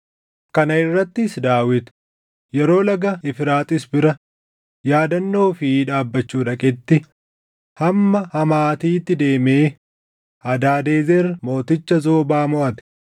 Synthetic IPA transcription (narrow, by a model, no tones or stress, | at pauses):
kɐnɐɪrːɐt̪ːɪsd̪aːwɪt̪ | jɛɾo̞ːlɐɡɐɪfɪɾaːt̪ʼɪsbɪɾɐ | jaːd̪ɐnːo̞ːfiᶑaːbːɐt͡ʃːuːᶑɐkʼɪt̪ːɪ | hɐmːɐhɐmaːt̪iːt̪ːɪd̪e̞ːmeː | hɐd̪aːd̪e̞ːzermo̞ːt̪ɪt͡ʃːɐzo̞ːbaːmʊʔɐt̪ɪ̥